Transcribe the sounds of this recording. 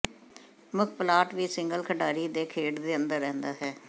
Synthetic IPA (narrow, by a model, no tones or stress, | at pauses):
məkʰpəlaːʈʋiːsɪŋɡəlkʰəɖaːɾiːd̪eːkʰeːɖd̪eːənd̪əɾːɛ̃ːnd̪aːɦɛː